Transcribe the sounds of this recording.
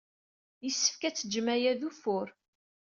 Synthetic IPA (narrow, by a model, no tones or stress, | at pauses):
jəsːə̥fkæt͡sːəd͡ʒmæjæðufʊɾ